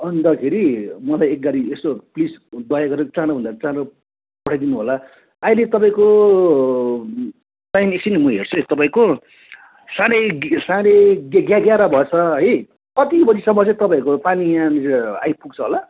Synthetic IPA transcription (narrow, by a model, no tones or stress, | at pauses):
ʌnd̪ʌkʰeɾimʌlajek̚ɡaɾiest̪oplisd̪ʌjaɡʌɾeot͡sãɾobʱʌ̃nd̪akt͡sãɾo | pʌɽʰajd̪inuɦolaː | jlet̪ʌpaĩko | tajnesinimuɦert͡sʰʌɦt̪ʌpaĩko | sãɾesãɾeɡɡjaɡjaɾabʱʌt͡sʰʌɦʌj | kʌt̪ibʌd͡zisʌmbʌt͡sẽt̪ʌpãĩkopanijãnia̰jpuɡt͡sʰʌɦola